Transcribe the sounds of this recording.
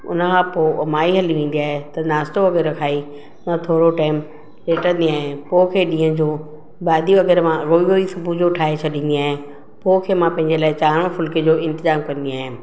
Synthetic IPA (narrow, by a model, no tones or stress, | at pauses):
ʊ̰nə̆kʰãːpoːmaːiɦɐliʋẽːn̆d̪ijaːɦet̪ɐnaːsʈ̪oʋɐɣɛːɾɾɐkʰaːi | nɐt̪ʰoːɾoʈaːɪm | leːʈə̃ñnd̪iaːɦẽpoːkʰeːɗĩːə̃d͡ʑoː | ɓaːd̪iʋɐɣɛːɾmãɣoːiɦoisʊbʱud͡ʑoːʈʰaːɦet͡ɕʰɐɗĩnd̪iaːɦẽ | poːkʰeːmãpɐ̃ɦɪ̃ɲd͡ʑelaːɪt͡ɕaːɾʋə̃fʊlked͡ʑoːɪ̃nt̪ɪzaːmkɐnd̪iaːɦɪ̃